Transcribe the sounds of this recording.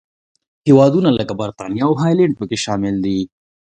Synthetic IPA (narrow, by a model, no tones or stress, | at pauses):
hewɑd̪unaləkabaɾt̪ɑnijaːwɦɑjlɛ̃ɳɖ̚pəkeʃɑmɪld̪i